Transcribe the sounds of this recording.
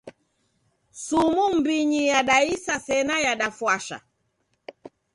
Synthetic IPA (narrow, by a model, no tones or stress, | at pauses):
sumum̩biɲijaɗaisasɛnajaɗafwaʃa̰